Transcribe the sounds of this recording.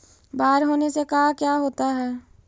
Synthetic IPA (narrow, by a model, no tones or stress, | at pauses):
baːɾɦoːnesekaːkjaːɦoːt̪aɦɛː